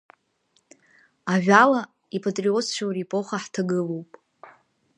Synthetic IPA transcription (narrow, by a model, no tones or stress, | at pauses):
aʒᶣala | ipʰatʼriot͡sʰt͡ʃʷʰawrepʼo̞χaħtʰaɡɨlo̞wpʼ